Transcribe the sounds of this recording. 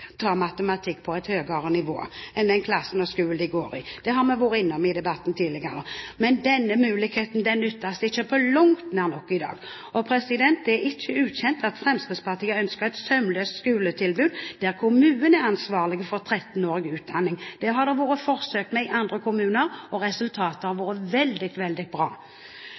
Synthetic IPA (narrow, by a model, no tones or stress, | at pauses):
t̪ʰɑːmɑt̪əmɑt̪ʰɪkːpʰɔɛɪt̪høːɡəɾənɪʋo̰ːɛnd̪ɛnkʰlɑsːənɔskʉːl̩d̪ɪɡoːɾɪ̰d̪̥ɛɦɑɾmɛʋʊːɾəɪnːɔmɪd̪ɛbɑt̪ːn̩t̪ʰiːlɪɡəɾəmɛnd̪ɛnːəmʉːlɪkheːt̪n̩d̪ɛnːʏt̪ːɑsɪçːəpʰɔlʊŋt̪næːʁnɔkːɪd̪ɑ̰ːɡ | ɔpʰɾɛsɪd̪ɛnt̪̚d̪ɛæɪçːəʉːçɛnt̪ɑt̪fʁɛmst̪əspʰɑʁt̪ʰiːəœnskəʁɛt̪sœmløːst̪skʉːlət̪ʰɪlbʉːd̪d̪̥æɾkʰʊmʉːnənæʁɑnsʋɑːʁlɪɡəfɔɾt̪ʰɾɛt̪ːn̩oːɾɪɡəʉːt̪̚d̪ɑnːɪŋd̪̥ɛɦɑʁd̪ɛʋoːɾəfɔʁsøːkt̪mɛɪʔɑnd̪ʁəkʰʊmʉːnəɾɔɾɛsʉlt̪ʰɑːt̪əhɑɾʋoːɾəʋɛld̪ɪt̪ʋɛld̪ɪbɾɑ̰ː